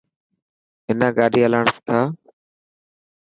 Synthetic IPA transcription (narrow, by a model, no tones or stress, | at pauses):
ɦɪnãːɡaːɗiːəlaːɳskʰaː